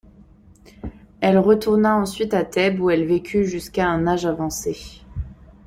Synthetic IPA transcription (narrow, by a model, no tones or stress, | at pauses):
ɛlʁət̪uʁnaɑ̃sɥit̪at̪ɛbuɛlvekʲʰyʒyskaɛ̃naʒavɑ̃se